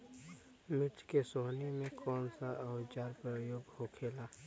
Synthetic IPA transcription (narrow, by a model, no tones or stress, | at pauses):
mɪt͡ʃkesoːnemẽkʰɔːnsaʔəʋt͡ʃaːɾpɾəjoːɡhokʰeːlaː